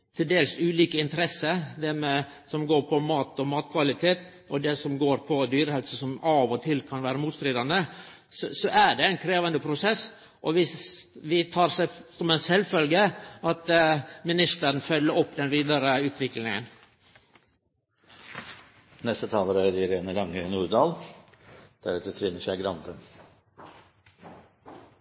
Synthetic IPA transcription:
t̪ʰɪld̪eːlsʉːliːkəɪnt̪əɾɛsːəd̪æmɛ | sɔmɡoːɾpʰɔmɑːt̪ɔmɑːt̪kʰʋɑlɪt̪ʰeːt̪ | ɔd̪ɛsɔmɡoːɾpʰɔd̪yːɾəhɛlsəsɔmɑʋɔt̪ʰɪlkʰɑnʋæːɾəmuːt̪st̪ɾiːd̪ɑnd̪ə | ssɔʔæɖɛæɪnkʰɾeːʋɑnd̪əpʰɾʊsɛsː | ʔɔʋɪʋɪt̪ʰɑːɾsɛsɔmænsɛlːfœlɡəʔɑt̪mɪnɪst̪əɾənfœlːəɾɔpːd̪ɛnʋiːd̪ɑɾəʉːt̪ʰʋɪklnɪŋə̰n | nɛst̪ət̪ʰɑːləɾæɾɪɾeːnəlɑŋːənuːɾd̪ɑːl | d̪̥æɾʉt̪ət̪ʰɾɪnəʂæɪɡɾɑnd̪ə

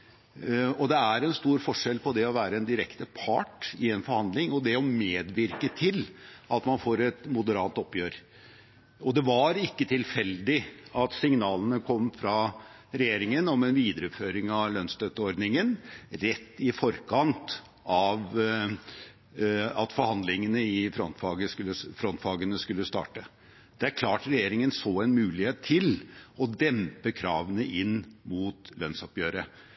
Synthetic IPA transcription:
ɔd̪ɛæɾɛnst̪uːɾfɔʂɛlpʰɔd̪ɛɔʋæːɾəɛnd̪ɪɾɛkt̪əpʰɑ̰ʈɪɛnfɔɾhɑnd̪lɪŋɔd̪ɛɔmeːd̪ʋɪɾkət̪ʰɪlɑt̪mɑnfoːɾɛt̪mʊd̪əɾɑːt̪ɔpːjøːɾ | ɔd̪ɛʋɑɾɪkːət̪ʰɪlfɛld̪ɪɑt̪sɪŋnɑːlənəkʰɔmːfɾɑ | ɾɛjeːɾɪŋənɔmɛnʋiːd̪əɾʉpføːɾɪŋɑʋlœnst̪œt̪ːəɔɾd̪nɪŋənɾɛt̪ːɪfɔɾkʰɑnt̪ | ɑʋ | ɑt̪fɔɾhɑnd̪lɪŋənəɪfɾɔnt̪fɑːɡəskʉlːəfɾɔnt̪fɑːɡənəskʉlːəst̪ɑ̰ːʈə | d̪̥ɛæɾkʰlɑːʈɾɛjeːɾɪŋənsoːɛnmʉːlɪheːt̪ʰːɪlɔd̪ɛmpəkʰɾɑːʋənəʔɪnːmuːt̪lœnsɑpjøːɾə

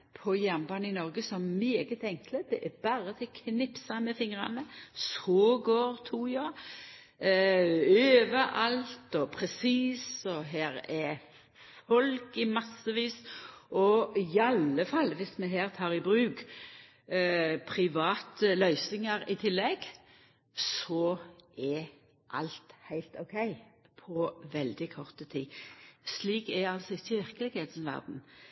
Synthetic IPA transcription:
pʰɔjæmbɑːnəɪnɔʁɡəsɔmmeːɡət̪ɛŋkləd̪̥ɛʔæbɑːɾət̪ʰɛkʰnɪpsɑmɛfɪŋʁɑ̰nəsoːɡoːɾt̪ʰuːjɑ | øːʋəʔɑlt̪ɔpʰɾɛsiːsɔɦæːɾɛ | fɔlkɪmɑsəʋiːsʔɔɪɑlːəfɑlːʋɪsmɛɦæːʁt̪ʰɑːʁɪbʁʉːk | pʰɾɪʋɑːt̪əlœʏsnɪŋəɾɪt̪ʰɪlːɛɡ | sɔɛ | ʔɑ̰lt̪hæɪlt̪ɔkʰɛɪ | pʰɔʋɛld̪ɪkʰɔʁt̪ət̪ʰiːsliːkɛɑlsɔɪçːəʋɪɾkəlɪɡheːd̪n̩ʋæ̰ʁd̪n̩

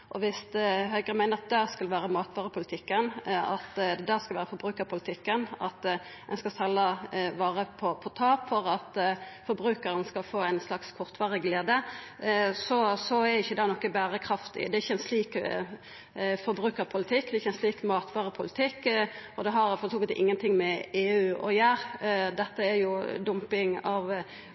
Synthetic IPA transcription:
ʔɔʋɪst̪ɦœʏɡʁənmæɪnəɾɑt̪̚d̪æʁskɑlʋæːʁəmɑːt̪ʋɑːʁəpʰʊlɪt̪ʰɪkːənɑt̪d̪æʁskɑlʋæːʁɾəfɔɾbɾʉːkəɾpʰʊlɪt̪ʰɪkːənɑ̰t̪ | ɛnskɑsɑlːəʋɑːʁəpʰɔpʰɔt̪ʰɑːpfɔʁɑt̪fɔɾbʁʉːkəɾənskɑlfoːæɪnslɑkskʰɔʁt̪ʋɑːʁəɡleːd̪ə | sɔsɔæɾɪçːəd̪ɑːnɔkːəbæːɾəkʰɾɑft̪ɪ̰d̪ɛɾɪçːəɛnsliːk | fɔɾbʁʉːkəɾpʰʊlɪt̪ʰɪkːd̪ɛɪçəɛnsliːkmɑːt̪ʋɑːʁəpʰʊlɪt̪ʰɪkːɔd̪ɛɦɑɾfɔɾt̪ʰuːkət̪ɪ̰ŋːənt̪ʰɪŋmɛeːʉːɔ̰jæːʁd̪ɛt̪ːəæɾjʊd̪ʊmpɪŋɑʋ

